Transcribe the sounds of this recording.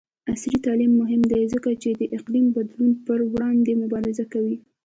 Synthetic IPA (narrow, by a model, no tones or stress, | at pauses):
asɾit̪ɑlimːʊɦɪmd̪ajzəkat͡ʃed̪əʔɪqlimbad̪lunpəɾwɽɑnd̪emʊbɑɾɪzakawi